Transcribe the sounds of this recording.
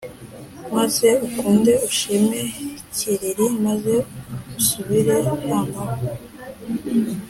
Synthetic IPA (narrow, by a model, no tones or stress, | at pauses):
maze̞ukuːnde̞uʃimeciɾiɾimaze̞usuβiɾejaŋa